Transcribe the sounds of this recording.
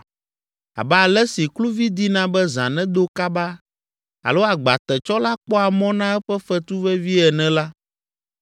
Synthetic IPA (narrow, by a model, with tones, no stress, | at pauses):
a̰˨ba˦˨lɛ˦si˨klu˦vi˦d̪i˦nã˦bɛ˦zã̰˨nɛ̃˦d̪o˦ka˦ba˦ | a̰˨lo˦a˨ɡ͡ba̰˨t̪ɛ˨t͡ʃɔ˦la˦k͡pɔ˦a˨mɔ̃˦nã˦ɛ˦ɸɛ˦fɛ˦t̪u˦vɛ˦vi˦ɛ˨nɛ̃˨la˦